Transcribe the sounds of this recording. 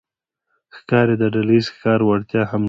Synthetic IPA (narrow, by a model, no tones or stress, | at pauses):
xkɑɾed̪əɖalaizkɑɾwaɽt̪jɑham